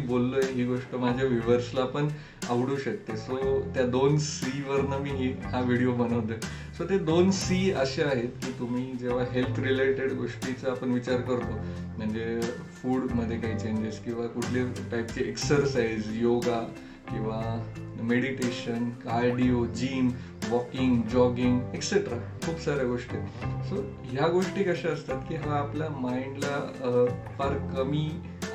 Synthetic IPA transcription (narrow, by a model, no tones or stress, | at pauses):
ibolːojeɦiːɡoʂʈəmad͡ʑʱjaʋiʋəɾslaːpəɳ | aʋɽuːɕək̚t̪esot̪jad̪onsiʋəɾnəmiːɦiɦaʋiɽijom̤əñəʋt̪ə | sot̪ed̪onsiəɕeaɦet̪kiːt̪um̤iːd͡ʑeʋ̤aɦelt̪ʰɾileʈeɽɡoʂʈit͡səapəɳʋit͡ɕaɾkəɾt̪om̤əɳd͡ze | fuːɽməd̪ʱːjekaɦiːt͡ɕeɲd͡ʑeskĩw̃ʋakuʈʰlepajtt͡ɕeeksəɾsaizjoɡa | kĩw̃ʋameɽiʈeɕənkaɾɽiod͡ʑiːn | ʋɔkiŋɡd͡ʑɔɡiŋɡekseʈɾa | kʰuːpsaɾjaɡoʂʈieso | ɦjaɡoʂʈiːkəɕaəst̪at̪kiːɦaaplamainla | paɾkəmiː